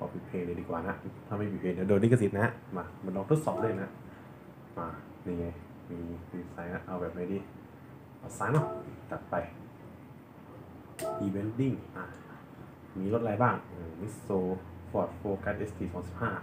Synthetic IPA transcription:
kʰɔ̰ː˧˩pʰi˧˩pʰeː˧ŋna˧diː˧kwaː˨˩na˦˥ʔt̪ʰaː˥˩ma˥˩pʰiː˨˧˩pʰeː˧ŋnaː˧˦˥doː˧ndi˥˩kʰa˧si˨˩˦t̪̚na˦˥ʔmaː˧˩ma˧nlɔ˧ŋt̪o˦˥t̪̚sɔː˨˩p̚duː˥˩˨jna˦˥ʔ | maː˧ | niː˧˩ŋa˧j | miː˧wiː˧sa˧˥jna˦˥ʔa˧wbɛː˨˩p̚na˧˥˩diː˧˩ | ʔɔ˧˩t̪̚saː˧˥jnɔ˧˩ʔɯː˧˩ka˨˩t̪̚pa˧j | ʔiː˧be˧˦˥ndi˥˩ŋʔaː˧˩ | miː˧lo˦˥t̪̚laː˧jbaː˥˩ŋʔɯː˧˩mi˦˥soː˧fɔː˨˩t̪̚foː˧kaː˧˥ʔe˦˥st̪ʰiː˧sɔː˨˦ŋsi˨˩p̚haː˥˩

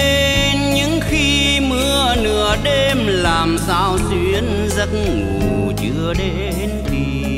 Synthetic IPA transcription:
e˧nɲɨ̰˧˥ŋxi˧ | mɨ˧ənɨ˧˩əɗe˧mlaː˨˩msaː˧wzwi˧˥ən | zə˧˦t̚ŋu˨˩ | t͡ɕɨ˧əɗe˧˦nt̪i˨˩

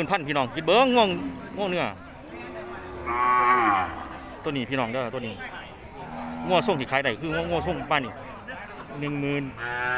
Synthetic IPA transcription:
ɯː˧˨npʰa˧˨npʰiː˧˨nɔː˨˦ŋki˧˦t̪̚bɤː˧˥˨ŋːu˧˥˨ŋŋu˧˥˨ŋnɯ˧˥˩ɐ˧ | t̪u˧˨niː˧˩pʰiː˧˨nɔː˨˩˦ŋdɯ˧˩˨t̪ːniː˧˩ | ŋu˧˩ɐso˥˩˨ŋʰiː˧˩aː˨˦jda˧˩jkʰɯː˧ŋu˧˥˨ŋu˧˥˩ɐsʰo˧˥˨ŋmaː˧˥˨ni˧˩ | nɯ˧ŋmɯː˧˥n

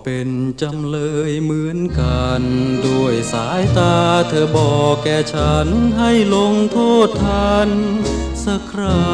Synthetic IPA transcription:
pe˧˩nt͡ɕa˧mlɤː˧jmɯ˧˦˥ənkaː˨˧ndu˧˩əjsaː˩˦jt̪aː˧t̪ʰɤː˧bɔː˨˩kːɛː˧˩t͡ɕʰa˦˥nɦa˥˩jlo˧ŋt̪ʰoː˥˩t̪ʰːaː˧˥n | sa˧˩kʰɾaː˧˩

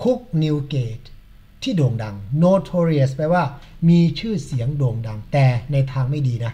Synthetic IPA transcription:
kʰu˦˥k̚ni˧wkeː˨˩t̪ʰː | iː˥˩doː˨˩ŋda˧ŋnoː˧t̪ʰoː˧ɾi˧˩spa˧jwaː˥˩miː˧t͡ɕʰɯː˥˩si˩˦əŋdoː˨˩ŋda˧ŋt̪ɛː˨˩na˧jt̪ʰaː˧ŋma˥˩jdiː˧na˦˥

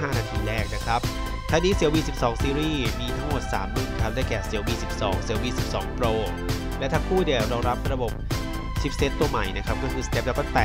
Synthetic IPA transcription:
aː˥˩naː˧t̪ʰiː˧ɾɛː˥˩k̚na˦˥kʰɾa˦˥p̚ | t̪ʰaː˥˩niː˦˧˥si˩˦wiː˧˩si˨˩p̚sɔː˩˦ŋsiː˧ɾiː˥˩miː˧t̪ʰa˦˥ŋmo˨˩t̪̚sa̰ː˩˦mːɯ˧˩kʰa˦˥dɛː˥˩jkɛː˨˩si˨˩˦əwiː˧si˨˩p̚sɔ̰ː˩˦ŋsi˨˩˦wiː˧˩si˨˩p̚sɔː˩˦ŋpɾoː˧ | lɛ˦˥t̪ʰaː˧˥ŋkʰuː˥˩di˨˩əwɾɔː˧ŋɾa˦˥p̚ɾa˧bo˨˩p̚ | si˦˩p̚se˦˥t̪ːu˧ɐma˨˩jna˦˥kʰɾa˦˥p̚kɔː˥˩kʰɯː˧st̪e˦˥p̚lɛː˦˥kɔː˥˩t̪ɛː˨˩

